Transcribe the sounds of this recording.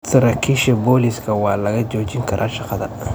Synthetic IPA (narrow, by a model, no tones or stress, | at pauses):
t̪ɐɾɐkʰɪʃɐbɔːlɪskʰɐwɑːlɐɣɐd͡ʒɔːd͡ʒɪŋkʰɐɾʔaːʃɑqɑðɐ̰